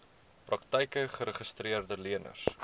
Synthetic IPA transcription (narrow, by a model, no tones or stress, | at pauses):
prɐktəjkəχəɾəχəstriərdəliənə̰s